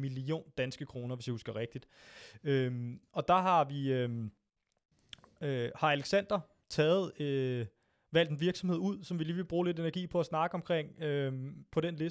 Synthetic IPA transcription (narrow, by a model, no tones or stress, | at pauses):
milio̝̰ːnd̥ænsɡ̥əkʰʁo̝ːnɐʋesjihusɡ̥ɐʁeɡ̥̚d̥id̥ | ømɒ̽d̥ɑ̈ɦɑ̈ʋiøm | øhɑ̈æleɡ̥sæn̰d̥ɐ | t͡sʰɛːð̩ˠø | ʋæl̰d̥enʋiɐɡ̥sɒmhe̝ð̰ˠuð̞̰ˠsɒ̽mʋiliːʋe̝lb̥ʁuːle̝de̝næɐɡḭːpʰɒ̽æsnɑ̈ːɡ̥əɒ̽mkʰʁeŋ̰øpʰɒ̽ɾ̥enle̝